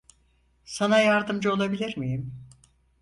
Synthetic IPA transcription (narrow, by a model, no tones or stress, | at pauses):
sanajaɾd̪ɯmd͡ʒɯo̞lˠabilʲiɾmijim